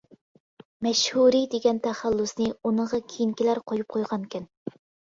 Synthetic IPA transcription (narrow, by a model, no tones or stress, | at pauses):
mɛʃhuɾid̪eɡʲɛnt̪ʰæχælːʊsnɨunəɴʁɑkʲʰijiŋkʲilæɾqʰojup̚qʰojʁɑnkʲʰɪn